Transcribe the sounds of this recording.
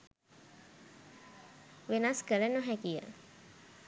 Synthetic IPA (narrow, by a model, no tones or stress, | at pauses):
ʋenaskəlenoɦækijə̰